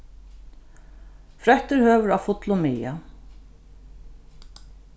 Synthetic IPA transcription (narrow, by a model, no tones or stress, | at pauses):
fɾœht̪əɾhøːʋəɾawfʊt̪lʊmɪːja̰